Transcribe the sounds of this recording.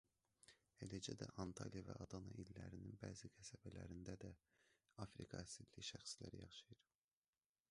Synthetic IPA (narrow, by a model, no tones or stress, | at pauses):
elæd͡ʒæd̪æʔɑnt̪ʰɑlijɑvæɑd̪ɑnɑilːæɾininbæːzikʰæsæbælæɾind̪æd̪æ | ɑfɾikʰɑæsid̪liçʃæxslæɾijɑχʃɯjɯɾ